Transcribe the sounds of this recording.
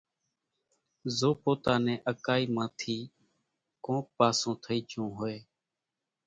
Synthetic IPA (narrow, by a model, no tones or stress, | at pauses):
zoːpoːt̪aːnɛ̃ːʔəkaːiːmãːt̪ʰiː | kõːpaːsõːt̪ʰəiːt͡ʃʰõːɦoːeː